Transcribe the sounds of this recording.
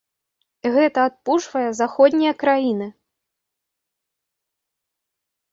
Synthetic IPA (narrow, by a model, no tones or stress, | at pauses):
ɣɛt̪ɐːt̪̚puʂvɐjɐzaxɔd̪ʲnʲijɐkɾajinɨ